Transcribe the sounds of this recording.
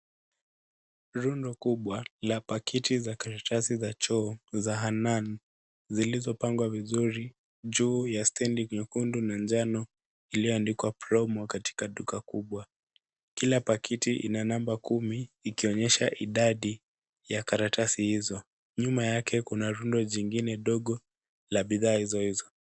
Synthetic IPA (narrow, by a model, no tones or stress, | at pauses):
ɾundɔkuɓwalapakʰitizakaɾatʰasizat͡ʃɔːzaɦanan | zilizɔpaŋɡwavizuɾi | ʄuːjastɛndikɲukundunand͡ʒanɔ | ilijɔandikwapɾɔmɔkati̥kaɗukakuɓwa | kilapakʰitiʔḭnanambakumiːkiɔɲɛʃaʔiɗaɗi | jakaɾatʰasihizɔ | ɲumajakʰɛkunaɾundɔʄiŋɡinɛɗɔɠɔ | laɓiðaːhizɔhizɔ